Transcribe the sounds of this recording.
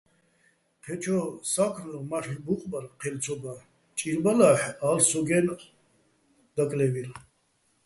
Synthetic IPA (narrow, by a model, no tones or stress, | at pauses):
qʰɛt͡ʃʰɔsakʰɾmaʃɾbuqʼbaɾqʰɛlt͡sʰɔba | t͡ʃʼiɾbalaħalsɔɡɛn | d̪̥akʼlɛvil